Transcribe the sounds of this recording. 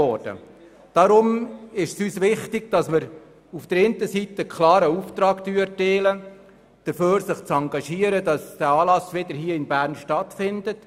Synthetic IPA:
ɔɾd̥ə̰ | d̥ɑɾʊmɪʃsyːsʋɪχtɪɡ̥d̥ɑsməɾ | ufd̥əɾɪntəsitəkʰlɑːɾəuft̪ɾɑːktyːəteːlə | d̥əɾføːɾsɪχt͡sɑŋɡɑʃiːəɾədɑsd̥æːɑːlɑsʋɪdəɾɦiːəɪnbæːɾnʃtɑtfɪndət

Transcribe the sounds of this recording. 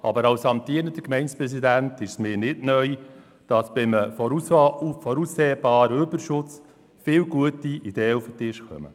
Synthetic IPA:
ɑ̰bəɾɑwsɑmtiːɾnədəkmɛɪnspɾɛs̬idæntɪʃsmɪːɾnɪdnœi | d̥ɑsb̥ɪmə | fɔɾusːeːb̥ɑːɾəøbəɾʃʊt͡s | fɪːwɡuətiid̥ɛːəufətɪʃkœ̰mə̰

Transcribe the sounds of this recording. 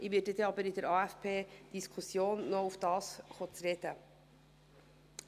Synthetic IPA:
ʔɪʋɪdəd̪ɛɑbəɾɪd̥ɛɾɑːæfpʰeːd̥iskʰusjoːnːɔufd̥ɑːsχot͡sɾɛd̥̪ə

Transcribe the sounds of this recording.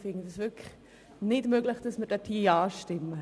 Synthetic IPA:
fɪŋədɪsvɪkə̥χ | nɪdmøɡləχd̥ɑsmɪd̥ɛtʰiːɑːʃtɪmːə

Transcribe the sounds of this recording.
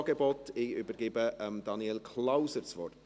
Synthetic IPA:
ɡebɔtɪybəɾɡ̥ɪbəʔəmd̥ɑniɛlkʰlaʊsət͡svɔ̰rt

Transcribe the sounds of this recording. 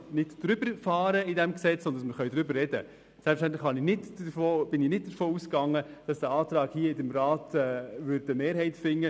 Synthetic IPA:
nɪtd̥ɾʏbəɾfɑːɾəɪdɛmksɛt͡sːɔndənsməɾχœʏd̥̪ɾʏbəɾrːɛd̥ə̰ | sɛlpfʃtænt̪̬ləχhɑnɪnɪtəfoːb̥ɪninɪt̚d̥əɾfoːuskɑŋːəd̥ɑsd̥æɑːt̪ɾɑːɡhiːəɪdəmɾɑːtɛʋʏɾdəmeːɾɦɛɪtfɪŋːə

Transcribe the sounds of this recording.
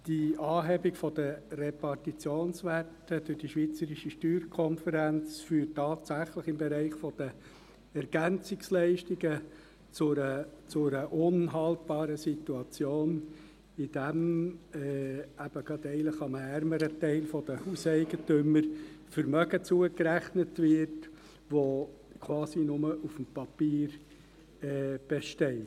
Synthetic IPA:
d̥iɑːɦɛbikfɔd̥̪ərɛpɑrtit͡sjoːnsʋætːəd̥̪ʊɾd̥iʃʋit͡səɾiʃiʃtyːɾkʰɔnfəɾænt͡sfyːtːɑːtsæχləχɪmbɛɾɛɪχfɔd̥ə | ɛɾɡ̥ænt͡sɪkslɛɪʃtiɡə | t͡sʊət͡sʊɾəʔʊnɦɑltb̥ɑːɾəsituɑt͡sjoːn | id̥æmɛæb̥əɡɑd̪ɛɪləχɑməæɾməɾətɛɪlfɔd̥əhusɛɪɡətʏməɾfəɾmœɡət͡suəkɾæχnətvɪɾt | ʋokʰʋwɑːsinʊməʔufmpɑpiːɾ | ɛːb̥eʃtɛɪt

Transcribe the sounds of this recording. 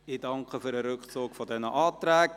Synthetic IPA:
ɪdɑŋkχəfyːɾəɾʏkχt͡suːkfɔdɛnəʔɑːtɾæːɡ

